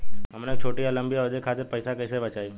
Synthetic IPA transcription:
ɦɐmneːk̚t͡ʃʰoːʈiɐlə̃mbijad̪ekʰaːt̪̬eɾpəɪsakəɪsebɐt͡ʃaːi

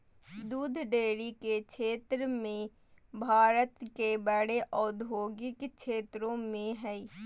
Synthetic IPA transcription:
d̪uːd̪ʱɖeːɽikekʃʰeːt̪ɾəmẽ | bʱaːɾət̪kebəɽeʔɔːd̪ʱoːɡɪkʃʰeːt̪ɾõmẽɦɛi

